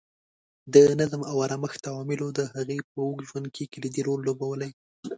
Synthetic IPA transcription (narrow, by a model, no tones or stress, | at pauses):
d̪ənazmawaɾaməxt̪awɑmɪlod̪əhaɣep̚əʊɡʒwan̚kʰekɪlid̪iɾolːobawəlaj